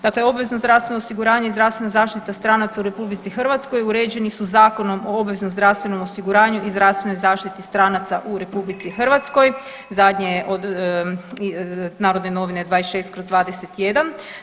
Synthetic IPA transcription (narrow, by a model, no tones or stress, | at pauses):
d̪akle̞o̞bʋe̞znozd̪ɾafst̪ʋe̞noosiɡuɾaːɲeizd̪ɾafst̪ʋe̞nazaːʃt̪it̪ast̪ɾanat̪sauɾe̞publit̪sixr̩ʋat̪skojuɾeːd͡ʑe̞nisuzaːko̞no̞mo̞obʋeznozd̪ɾafst̪ʋe̞no̞mosiɡuɾaːɲuʔizd̪ɾast̪ʋe̞no̞jzaːʃt̪it̪ist̪ɾanat̪saʔuɾe̞publit̪sixr̩ʋat̪sko̞j | zad̪ɲeʔod̪ | naːɾod̪neno̞ʋined̪ʋaːesʃe̞ːst̪̚kɾozd̪ʋaːd̪ese̞t̪jed̪an